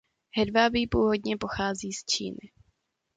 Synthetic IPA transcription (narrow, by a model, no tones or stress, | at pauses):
ɦɛdvabiːpuːvo̞dɲɛpoxaːziːst͡ʃḭːnɪ